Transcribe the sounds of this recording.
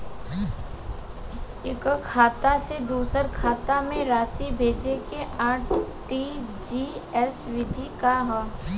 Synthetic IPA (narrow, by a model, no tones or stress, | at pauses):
ɪkkʰaːt̪ased̪uːsəɾkʰaːt̪amẽɾaːsibʱeːd͡ʒekeʔaːʈʰʈid͡ʒiɛsʋɪd̪ʱikaɦɛː